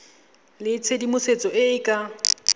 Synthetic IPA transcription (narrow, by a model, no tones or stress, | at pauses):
lɪt͡sʰedimʊset͡sʼɔʔɪɪkʼa